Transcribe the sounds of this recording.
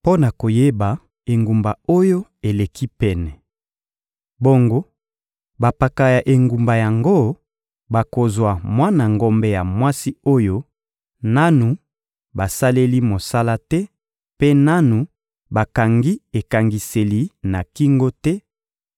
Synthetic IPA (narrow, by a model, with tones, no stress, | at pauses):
po˦na˨ko˨je˦ba˨ | e˨ŋɡu˨mba˨o˦jo˦e˨le˨kʰi˦pɛ˨nɛ˨ | bo˦ŋɡo˦ | ba˨pa˨ka˨ja˨ʔe˨ŋɡu˨mba˨ja˨ŋɡo˦ | ba˨ko˨zwa˨mwa˦na˨ŋɡo˦mbɛ˦ja˨mwa˦si˦o˦jo˦ | na˦nu˨ | ba˨sa˦le˦li˦mo˨sa˦la˦tɛ˦ | pe˦na˦nu˨ | ba˨ka˨ŋɡi˦e˨ka˨ŋɡi˨se˨li˦na˨ki˦ŋɡo˦tɛ˦